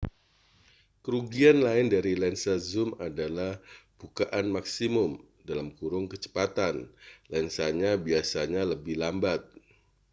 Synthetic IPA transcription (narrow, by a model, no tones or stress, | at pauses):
kəɾuɡianlaɪndaɾilɛnsazʊmadalahb̥ukaʔanmaksimʊm | dalamkuɾʊŋkət͡ʃə̥pat̪anlɛnsaɲabiasaɲaləbɪhlambat̪̚